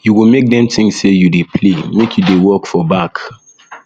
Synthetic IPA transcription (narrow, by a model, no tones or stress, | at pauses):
juwimek̚dɛ̃mtʰĩŋsejudepʰlemekʰjudewɜkfɔbak